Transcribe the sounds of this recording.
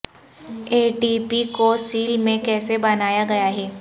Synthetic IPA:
eːʈiːpikosiːlmẽkɛːsebɐnaːjaɡɐjaɦɛː

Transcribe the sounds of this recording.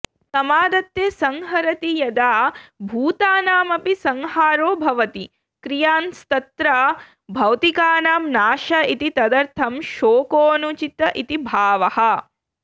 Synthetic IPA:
sɐmaːd̪ɐt̪jeːsɐŋɦɐɾɐt̪ijɐd̪aːbʱuːt̪aːnaːmɐpisɐŋɦaːɾoːbʱɐʋɐt̪i | kɾijaːnst̪ɐt̪ɾɐ | bʱɐwt̪ikaːnaːmnaːʃɐit̪it̪ɐd̪ɐɾt̪ʰɐmʃoːkoːnut͡ʃit̪ɐʔit̪ibʱaːʋɐhɐ̆

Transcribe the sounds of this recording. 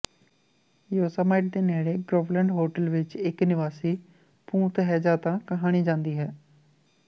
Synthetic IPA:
joːsaːmaːɪʈ̚d̪eːnɛːɽeːɡɾoːʋlə̃ɳɖɦoːʈəlʋɪt͡ʃɪknɪʋaːsiː | pũːt̪ɦɛːd͡ʒaːt̪ãːkəɦaːɽ̃iːd͡ʒãːnd̪iːɦɛː

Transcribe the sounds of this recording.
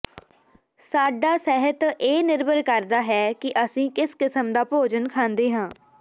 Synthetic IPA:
saːɖaːsɛɦət̪eːnɪɾbəɾkəɾd̪aːɦɛːkɪʔəsĩːkɪskɪsəmd̪aːpoːd͡ʒənkʰãːnd̪eːɦãː

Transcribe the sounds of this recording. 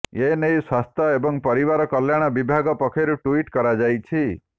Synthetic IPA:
enejswast̪ʰaebɔŋpɔɾibaɾɔkɔljaɽ̃ɔbibʱaɡɔpɔkʰeɾuʈuiʈkɔɾad͡ʒajt͡ʃʰi

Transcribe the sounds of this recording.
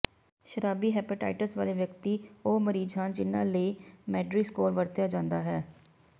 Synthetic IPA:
ʃəɾaːbiːɦɛːpɪʈa̰ːɪʈəsʋaːleːʋjəkt̪iːoːməɾiːd͡ʒãːd͡ʒɪnːãːləːmɛːɖɾiːskoːɾʋəɾt̪jaːd͡ʒãːnd̪aːɦɛː

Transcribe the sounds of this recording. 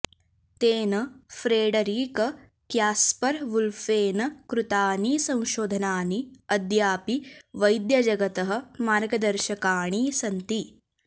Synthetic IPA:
t̪eːnɐfɾeːɖɐɾiːkɐ | kjaːspɐɾʋulfeːnɐkɾut̪aːniːsɐ̃w̃ʃoːd̪ʱɐnaːniɐd̪jaːpiʋɐjd̪jɐd͡ʒɐɡɐt̪ɐɦɐ̆maːɾɡɐd̪ɐɾʃɐkaːɳ̃iːsɐnt̪i

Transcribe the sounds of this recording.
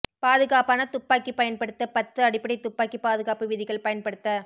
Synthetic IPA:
paːðɯɣaːpaːnɐt̪ʊpːaːkːipɐjɐnpɐɽɯt̪ːɐpɐt̪ːɯɐɽɪpːɐɽɪt̪ːʊpːaːkːipaːðɯɣaːpɯʋɪðɪɣɐɭpɐjɐnpɐɽɯt̪ːɐ

